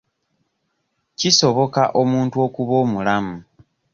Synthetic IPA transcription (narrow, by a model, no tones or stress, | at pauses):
ciso̞βo̞kaʔo̞muːntuo̞kuβo̞ːmulamu